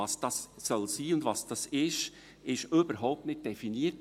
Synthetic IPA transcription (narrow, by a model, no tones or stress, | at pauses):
ɑsd̥ɑsːœlsiːʊndvɑsd̥ɑsɪʃ | ɪʃʏbəɾɦɔʊp̚tnɪt̚d̥ɛfiniːət